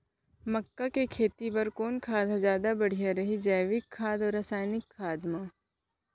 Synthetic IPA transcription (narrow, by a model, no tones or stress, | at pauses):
mɐkːakekʰeːt̪ibɐɾkoːnkʰaːd̪azjaːd̪abɐɽ̤ijaɾɐɦid͡ʒɐjʋɪkʰːaːd̪ɔɾɐsaːjnɪkʰːaːd̪maː